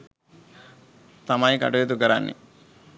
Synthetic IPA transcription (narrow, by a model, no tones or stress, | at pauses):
t̪ɐmaːjikɐ̰ʈɐjut̪̬ukɐɾaːnːḭ